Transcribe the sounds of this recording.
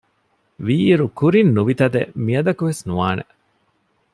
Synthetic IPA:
ʋiːɾukuɾinːuʋit̪ɐd̪emiɐd̪ɐkuʋesnuʋaːnʔḛ

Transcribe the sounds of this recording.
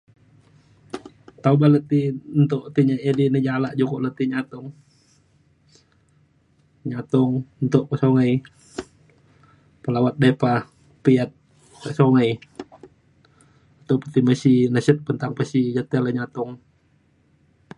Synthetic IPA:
t̪aubalət̪int̪ʊʔt̪iɲaʔedinid͡ʒalaʔd͡ʒukoʔlət̪iɲat̪ʊŋ | ɲat̪ʊŋnt̪ʊʔkəsoŋəj | pəlawat̪̚depa | piat̪̚ | kəʔsoŋəj | nt̪ʊʔpət̪iməsinəsət̪̚pənt̪aŋpəsid͡ʒat̪ialəɲat̪ʊŋ

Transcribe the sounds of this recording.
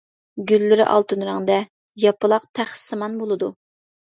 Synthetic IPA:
ɡʲylːɪɾɪ̰ʔɑ̰lˠt̪ɨnɾɨŋd̪ɛ | jɑpɨlˠɑqt̪ʰæχsɨmɑnbolˠɨd̪u

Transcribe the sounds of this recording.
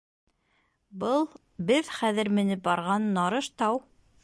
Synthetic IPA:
bɤlˠ | bɘðχæðɘ̆ɾmɘ̆nɘp̚bɑɾʁɑnːɑɾɤʃt̪ɑw

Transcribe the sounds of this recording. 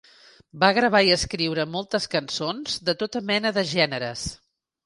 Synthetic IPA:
baɣɾəβ̞aiəskɾiwɾəmɔlˠt̪əskənsonzd̪ət̪ot̪əmɛnəðəʒɛnəɾəs

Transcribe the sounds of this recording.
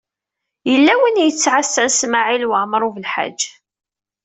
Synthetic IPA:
jəlːæwənjət͡sːʕasːænsmaʕilwəʕmɾˤuvəlħa̰d͡ʒː

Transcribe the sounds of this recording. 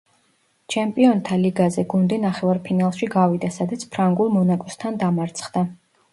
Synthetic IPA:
t͡ʃʰɛmpʼiɔnt̪ʰaliɡazɛɡund̪inaχɛvaɾpʰinalˠʃiɡavid̪asad̪at̪sʰpʰɾaŋɡulˠmɔnakʼɔst̪ʰand̪amaɾt̪sʰχd̪a

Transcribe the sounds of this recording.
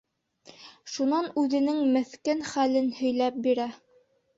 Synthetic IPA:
ʃunɑnʉðɘ̆nɘŋmɘ̆θkænχælɘnhɵ̆jlæp̚biɾæ

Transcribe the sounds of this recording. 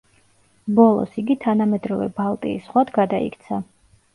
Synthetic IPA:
bɔlˠɔ̰siɡit̪ʰanamɛd̪ɾɔvɛ̰balˠt̪ʼḭːsχwad̪ɡad̪aḭkʰt̪sʰa

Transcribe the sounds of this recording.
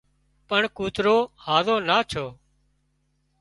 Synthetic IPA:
pəɳkuːt̪ɾoːhaːzõːnaːt͡ʃʰoː

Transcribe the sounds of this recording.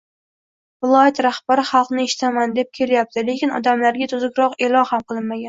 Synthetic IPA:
vɪlˠɒjat̪ɾaχbaɾɪχɑlˠqnɪeʃɪ̥t̪ʰamand̪e̞p̚kʲʰeɾjap̚t̪ʰɪle̞kʲɪnɒ̰d̪amlaɾɡʲat̪ʰʊzɪkʲɾɒqe̞lˠɒnhamqʰɨlˠɪnmaɡʲan

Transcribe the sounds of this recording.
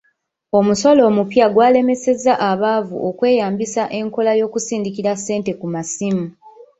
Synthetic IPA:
o̞musolo̞ːmupjaɡwaːle̞me̞se̞zaʔaβavṵʔokwe̞ːjaːmbisaʔe̞ŋko̞lajo̞ːkusiːndikiɾasːe̞ːnte̞kumasimu

